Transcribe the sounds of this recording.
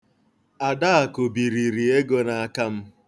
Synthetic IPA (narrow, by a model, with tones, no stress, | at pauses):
a˨da˦a˨ko˨bi˨ɾi˨ɾi˨e˦ɡo˦na˨a˦˨ka˦m̩˦